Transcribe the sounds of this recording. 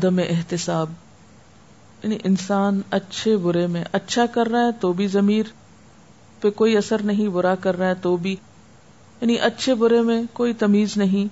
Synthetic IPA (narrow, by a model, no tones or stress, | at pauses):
ɐd̪əmeʔɪɦt̪ɪsaːb | jaːniʔɪnsaːnɐtːʃʰebʊɾemẽʔɐtːʃʰakɐɾːaɦɛt̪oːbʱizɐmiːɾ | pekoːiɐsəɾnɐɦĩbʊɾakɐɾːaɦɛt̪oːbʱi | jaːniʔɐtːʃʰebʊɾemẽkoːit̪ɐmiːznɐɦĩ